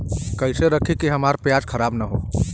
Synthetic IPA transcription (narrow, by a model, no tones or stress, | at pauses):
kəɪseɾəkʰikiɦəmaɾpjad͡ʒkʰəɾabnəɦo